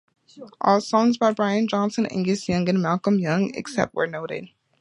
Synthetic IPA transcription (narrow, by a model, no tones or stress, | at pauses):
ʔɔlˠsɔ̃ŋzbaɪbɹaɪɨ̃nd͡ʒɑ̃nsɨ̃nɪ̰̃ŋɡɨsjʌ̃ŋɨ̃nmælˠkə̃mjʌ̃ŋɨ̰ksɛ̰p̚t̚wə̰˞noʊɾɪ̰d̥̚